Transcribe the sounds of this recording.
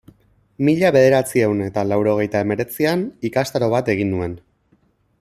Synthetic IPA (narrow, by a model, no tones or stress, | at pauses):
miʎaβe̞ðe̞ɾat͡siewne̞t̪alawɾo̞ɣ̞e̞jt̪ae̞me̞ɾe̞t͡sianikast̪aɾo̞β̞at̪e̞ɣinːue̞n